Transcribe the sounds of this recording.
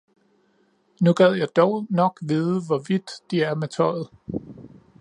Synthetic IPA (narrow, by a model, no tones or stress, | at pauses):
nuɡ̥æð̰ˠjɑ̈ɪd̥ɒʊnɒ̽ɡ̥ʋiðˠəʋɒʋid̥ːiæɐmet͡sʰɒ̽ɪð̞̩ˠ